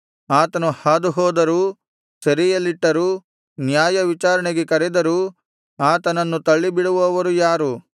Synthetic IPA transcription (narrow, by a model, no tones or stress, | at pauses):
aːt̪ɐnuhaːd̪uɦɔːd̪ɐɾuː | sɐɾijɐlːiʈːɐɾuː | njaːjɐʋit͡ʃaːɾɐɳeɡekɐɾɛd̪ɐɾuː | aːt̪ɐnɐnːut̪ɐɭːibiɽuʋɔːʋɐɾujaːɾu